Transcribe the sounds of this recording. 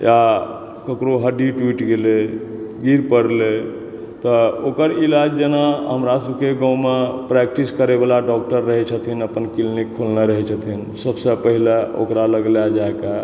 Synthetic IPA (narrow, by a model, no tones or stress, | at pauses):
ja | kəkɾoɦəɖiʈwiʈɡeleɡiɾpəɽle | t̪ɔokəɾilad͡ʒd͡ʒenaɦəmɾasəb̚keɡɔ̃wmepɾɛk̚ʈiskəɾebalaɖɔk̚ʈəɾːəɦɛt͡ʃʰət̪ʰinəpənkilnikʰːulneɾəɦɛt͡ʃʰət̪ʰin | səbsə̃pəɦileo̰kɾaləɡljad͡ʒaeka